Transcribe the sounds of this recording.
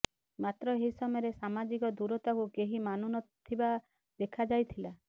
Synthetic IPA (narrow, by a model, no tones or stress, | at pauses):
mat̪ɾɔeɦisɔmɔjɔɾesamad͡ʒikɔd̪uɾɔt̪akukeɦimanunɔt̪ʰiba | d̪ekʰad͡ʒajt̪ʰila